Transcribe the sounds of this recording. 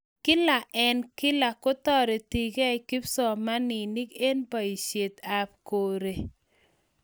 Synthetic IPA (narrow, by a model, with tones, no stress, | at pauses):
kɪ˦la˨ʔɛ˨nkɪ˦la˨ko˦tɔ˦ɾe˨ti˨ɡɛ˦i˨ki˦psɔ˨ma˦nɪ˨ni˦ke˦npa˨i˨ʃe˨t̪a˨p̚ko˨ɾe˨